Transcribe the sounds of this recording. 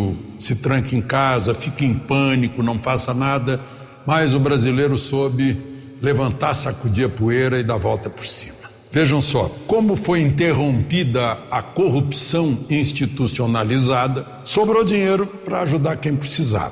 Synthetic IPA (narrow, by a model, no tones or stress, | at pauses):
ʊ | sɪt̪ɾɐ̃ŋkɪẽj̃kazɐfikẽj̃pɐ̃nikʊnɐ̃w̃fasɐnad̪ɐ | mɐjzʊbɾazilejɾʊsobɪ | levɐ̃nt̪aɾsakud͡ʒiɐpueɾɐɪd̪avɔwt̪ɐpo̥ɾsĩ̥mɐ | veʒɐ̃w̃sɔ̰kõmʊfojĩnt̪eɦõmpid̪ɐɐkoɦupsɐ̃w̃ĩst͡ʃit̪usionalizad̪ɐ | sobɾowd͡ʒiɲejɾʊpɾɐaʒud̪aɾkẽj̃pɾesiza̰v